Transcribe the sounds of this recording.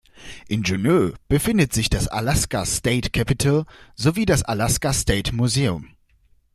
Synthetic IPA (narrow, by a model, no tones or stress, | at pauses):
ʔɪnʒunøːb̥əfɪndətz̥ɪçd̥asa̰laskasteɪtkʰapitʰalzoviːdasalaskasteːtmuzeːʊm